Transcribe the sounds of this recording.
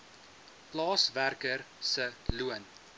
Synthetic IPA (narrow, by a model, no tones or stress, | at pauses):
plɑːsværkər | səluən